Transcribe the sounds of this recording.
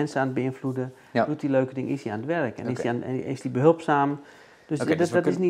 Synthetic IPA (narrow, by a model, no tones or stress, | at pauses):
ɛnsəaːnət̚bəɪnfludə | dutiløːkədɪŋɪ̰siaːnətʋɛrkɛ̰nɪsiaɪ̰sdibəɦølˠpsaːm | d̥øsdɔtɪsni